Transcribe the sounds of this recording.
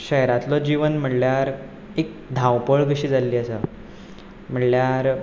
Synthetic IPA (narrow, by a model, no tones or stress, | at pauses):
ɕəɦɾat̪lɔd͡ʑiʋənm̤əʈljaɾ | ek̚ | d̪ʱãwpəɭk̬əɕiːd͡zalːiːəsə | m̤əʈljaɾ